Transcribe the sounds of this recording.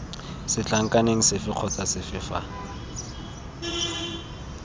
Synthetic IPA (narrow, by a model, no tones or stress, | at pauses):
sɪt͡ɬʼaŋ̩kʼaneŋ̩sɪfɪq͡χʰɔt͡sasɪfɪfa̰